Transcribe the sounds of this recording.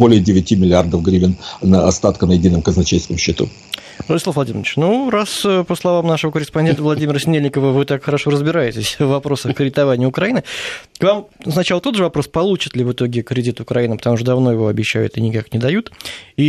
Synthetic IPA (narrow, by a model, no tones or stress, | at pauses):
bolʲɪjədʲɪvʲɪtʲimʲɪlʲɪard̪əfɡɾʲivʲɪnnəɐst̪at̪kənəjɪdʲinːəmkəznɐt͡ɕejskəmɕːɪt̪ṵ | rədʲɪsˠafvlˠɐdʲimʲɪnɨt͡ɕnurasəpəslˠɐvamnaʂəvəkəɾʲɪspɐnʲent̪əvlˠɐdʲimʲɪɾəsʲɪnʲelʲnʲɪkəvəvɨt̪akxəɾɐʂo̞ɾəzbʲɪɾajɪtʲɪsʲvvːɐpɾo̞səxkɾʲɪdʲɪt̪ɐvanʲɪjəʊkɾɐinɨkvamsnɐt͡ɕalˠət̪o̞t̪ʐɨvɐpɾo̞spɐlˠut͡ɕɪt̪lʲɪvɨt̪o̞ɡʲɪkɾʲɪdʲit̪ʊkɾɐinɨpə̥t̪ɐmuʂ̬t̪əd̪ɐvno̞jɪvo̞ɐbʲɪɕːæjʊ̰t̪ɨnʲɪkaknʲɪd̪ɐjut̪i